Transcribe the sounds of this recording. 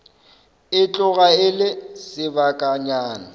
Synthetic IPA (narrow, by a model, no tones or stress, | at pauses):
ɪt͡ɬʼʊɣaɪlɪsɪbakʼaɲaːna